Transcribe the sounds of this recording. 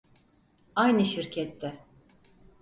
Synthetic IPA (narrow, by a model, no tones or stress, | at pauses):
ajnɯʃiɾcʰɛt̪ʰːɛ